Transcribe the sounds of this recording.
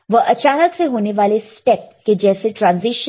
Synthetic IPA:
ʋəʔət͡ɕanəkseɦoneʋalesʈɛp̚ked͡ʑɛseʈɾãnziʃ

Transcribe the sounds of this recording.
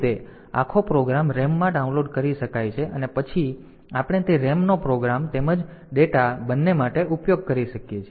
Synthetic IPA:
t̪e | a̰kʰopɾoɡɾamɾɛmːãɖaunloɖkəɾiʃəkajt͡ʃʰeʔənepət͡ʃʰi | apəɽ̃et̪eɾɛmnopɾoɡɾamt̪eməd͡ʒ | ɖeʈabənːemaʈeʔupjoɡ̚kəɾiʃəkjet͡ʃʰe

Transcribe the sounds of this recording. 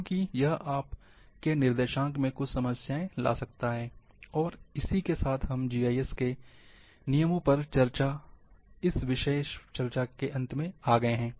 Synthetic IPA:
õːkijɐɦaːp | kenɪɾd̪eːʃãːkmẽkʊt͡ʃʰsɐməsjaːẽla̰ːsɐk̚t̪aɦɛː | ɔːɾɪsikesaːt̪ʰɦɐmd͡ʒiːaːiɛske | nijəmõpɐɾt͡ʃɐɾa | ɪsʋɪʃeːʃt͡ʃɐɾt͡ʃakeʔɐ̃nt̪mẽaːɡɐeɦɛ̃ː

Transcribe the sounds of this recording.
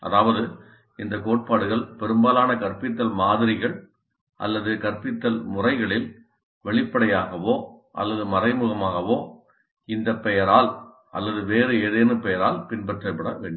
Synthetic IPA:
ʔɐ̰ðaːʋɐðɯ | ɪnd̪ɐkoːʈ̚paːɽɯɣɐɭpɛɾɯmbaːlaːnɐkɐrpɪt̪ːɐlmaːðɪɾɪɣɐɭ | ʔɐ̰lːɐðɯkɐrpɪt̪ːɐlmʊrɐɪɣɐɭɪl | ʋɛɭɪpːɐɽɐjaːɣɐʋoːʔɐ̰lːɐðɯmɐrɐɪmɯɣɐmaːɣɐʋoː | ɪnd̪ɐpːɛjɐɾaːl | ʔɐ̰lːɐðɯʋeːɾɯeːðeːnɯpɛjɐɾaːlpɪnbɛʈrɐɪpːɐɽɐʋeːɳɖ

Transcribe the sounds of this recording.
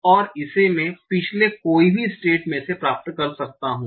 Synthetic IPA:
ɔːɾɪsemẽpɪt͡ʃʰlekoːibʱisʈeːʈmẽsepɾaːp̚t̪kɐɾsɐk̚t̪aɦũː

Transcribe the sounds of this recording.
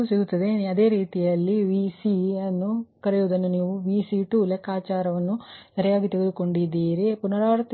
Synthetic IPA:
siɡut̪ːɐd̪eɐd̪e̞ːɾiːt̪ijɐlːiʋiːsiɐnːukɐɾejuːd̪ɐnːuniːʋuʋiːsiʈuːleːkaːt͡ʃaːɾɐʋɐnːusɐɾɐjaːɡit̪eɡed̪uko̞ɳɖid̪iːɾipunɐɽaːɾɐt̪

